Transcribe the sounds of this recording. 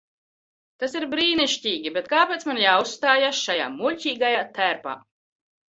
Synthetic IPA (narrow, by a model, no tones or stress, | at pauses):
t̪asiɾbɾiːniʃcʲiːɡʲibet̪̚kaːpeːt̪smanjaːusst̪aːjasʃaja̰ːmulʲcʲiːɡajaːt̪æɾpa̰ː